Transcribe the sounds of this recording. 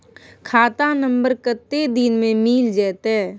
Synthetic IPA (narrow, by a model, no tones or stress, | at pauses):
kʰaːt̪anə̃mbəɾkət̪ːed̪inmẽmiːld͡ʒɛːt̪ɛ